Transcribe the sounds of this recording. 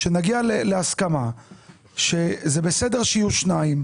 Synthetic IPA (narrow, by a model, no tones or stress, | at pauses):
ʃenaɡialeleaskama | ʃezebesedeʁʃeijuʃnaim